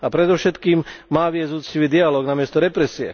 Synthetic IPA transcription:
apɾɛd̪ɔfʃɛt̪kiːmmaːʋɪɛuːt͡ssciʋiːd̪ialɔːɡnamɪɛst̪ɔɾɛpɾɛsiɛ̰

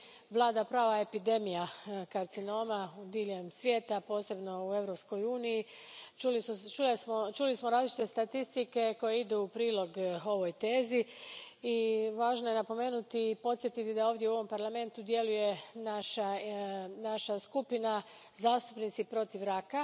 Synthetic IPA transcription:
ʋlˠaːd̪apɾaːʋaepid̪e̞mijakaɾt̪sino̞ːmaud̪iːʎemsʋje̞ːt̪apo̞ːse̞bno̞ue̞ʋɾo̞psko̞juːniji | ult͡ʃusmot͡ʃulismoɾaːzlit͡ʃi̥t̪e̞st̪at̪ist̪ike̞ko̞jeid̪uupɾiːlˠo̞ɡo̞ʋo̞jt̪e̞ːziiʋaːʒnojenapo̞me̞ːnut̪iːpo̞t̪sje̞t̪it̪id̪ao̞ːʋd̪je̞uo̞ʋo̞mpaɾlame̞nt̪ud̪je̞luje̞naʃa | naʃaskupina | zaːst̪upnit̪sipɾo̞t̪iʋɾaka

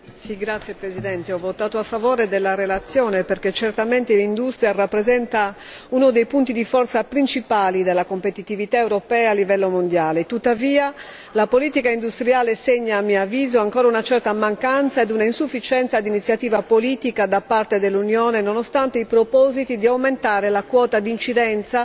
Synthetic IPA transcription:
siɡɾat̪sːjepɾezid̪ɛnt̪eɔvːot̪aːt̪oafːavɔːɾed̪elːarelat̪sːjɔːneperket͡ʃert̪ament̪elind̪ust̪ɾiarapːɾezɛnt̪a | unod̪ejpunt̪id̪ifɔrt̪sapɾint͡ʃipaːlid̪elːakompet̪it̪ivit̪aewɾopɛːaalːivɛlːomond̪jaːlet̪ut̪ːaviːa | lapoliːt̪ikaind̪ust̪ɾiaːleseɲːaːmːiavːiːzoaŋkɔːɾaunat͡ʃɛrt̪amaŋkant̪saed̪unainsufːit͡ʃɛnt̪sad̪init̪sjat̪iːvapoliːt̪ikad̪apːart̪ed̪elːunjɔːnenɔnɔst̪ant̪eipɾopɔzit̪id̪iawment̪aːɾelakwɔːt̪ad̪int͡ʃid̪ɛnt̪sa

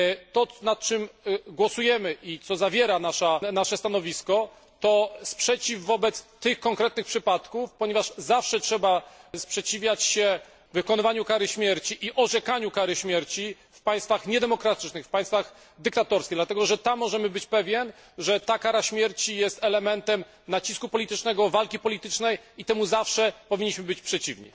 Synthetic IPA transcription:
t̪ɔnat̪̚t͡ʂɘmɡwɔsujɛmɘʔit̪sɔzavʲjɛɾanaʂanaʂɛst̪anɔvʲiskɔ | t̪ɔspʂɛt͡ɕivːɔbɛt̪st̪ɘxkɔŋkɾɛt̪nɘxpʂɘpat̪kufpɔɲɛvaʂzafʂɛtʂɛbaspʂɛt͡ɕivʲjat͡ɕɕɛ | vɘkɔnɪvaɲukaɾɘɕmʲjɛɾt͡ɕiʔiʔɔʐɛkaɲukaɾɘɕmʲjɛɾt͡ɕi | fpaj̃st̪faxɲɛd̪ɛmɔkɾat̪ɘ̥t͡ʂnɘxfpaj̃st̪faɣ | d̪ɘk̚t̪at̪ɔɾskʲejd̪lat̪ɛɡɔʐɛt̪amːɔʐɛmɘbɘt͡ɕpɛvʲjɛn | ʐɛt̪akaɾaɕmʲjɛɾt͡ɕijɛst̪ɛlɛmɛnt̪ɛm | nat͡ɕiskupɔlʲit̪ɘt͡ʂnɛɡɔvalkʲipɔlʲit̪ɘt͡ʂnɛjit̪ɛmuzafʂɛpɔvʲiɲːiɕmɘbɘt͡ɕpʂɛt͡ɕivɲḭ

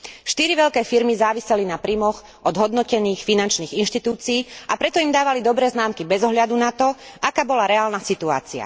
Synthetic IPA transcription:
ʃt̪iɾiʋɛʎkɛːfiɾmizaːʋisɛlinapɾiːmɔx | ʔɔd̪ɦɔd̪nɔcɛniːxfinant͡ʃniːɣinʃt̪it̪uːt͡siːapɾɛt̪ɔimd̪aːʋalid̪ɔbɾɛːznaːmkibɛzɔɦʎad̪unat̪ɔakaːbɔlaɾɛaːlnasit̪ua̰ːt͡sia̰

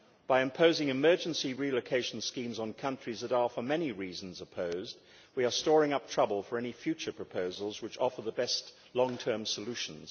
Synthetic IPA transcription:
b̥aɪɨ̃mpʰoʊzɪ̃ŋɨmɜ˞d͡ʒɨ̃n̩siɹiloʊkʰeɪʃn̩skĩmzn̩kʰʌ̃nt͡ʃɹ̥izðəɾə˞fə˞mɛniɹiz̃n̩zəpʰoʊzd̚ | wiə˞stɔɹɪ̃ŋʌp̚tʰɹ̥ʌbəlˠfə˞ɛnifjʉt͡ʃə˞pʰɹ̥əpʰoʊzəl̩ˠzwɨt͡ʃɔfə˞ðəbɛst | lɔ̃ŋtʰɜ̃˞msəlʉʃn̩z̥

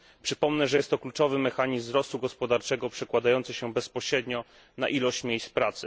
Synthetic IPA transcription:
pʂɘpɔmnɛʐɛjɛst̪ːɔklut͡ʂɔvɘmɛxaɲiszmzɾɔst̪uɡɔspɔd̪aɾt͡ʂɛɡɔpʂɛkwad̪ajɔnt̪sɘɕɛbɛspɔɕɾɛd̪ɲɔ | na̰ʔilɔɕt͡ɕmʲjejspɾat̪sɘ

